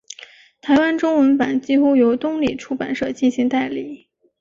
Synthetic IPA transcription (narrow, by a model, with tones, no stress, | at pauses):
t̪ʰa˧˥ɪwa˥nʈ͡ʂʊ˥ŋwə˧˥npa˨˩nt͡ɕi˥xu˥jo˧˥ʊt̪ʊ˥ŋli˨˩ʈ͡ʂʰu˥˩pa˨˩nʂɤ˥˩t͡ɕi˥˩nɕi˧˥ŋt̪a˥˧ɪli˥˩